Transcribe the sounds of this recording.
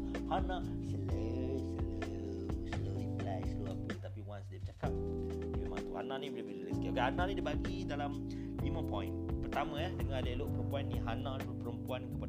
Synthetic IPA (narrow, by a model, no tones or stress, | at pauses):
hanãsələsələ | sloɾiblasəloapət̪apiwansdiəbət͡ʃakap̚ | dimemã̰ŋt̪uha̰nãʔnibolebələləskiɡaanãʔnidibaɡidalam | nimə̃pɔ̃ḭ̃npərt̪amə̃jahdəŋãleloʔpəɾəmpuanːiɦanãlibəpəɾəmpuankəpa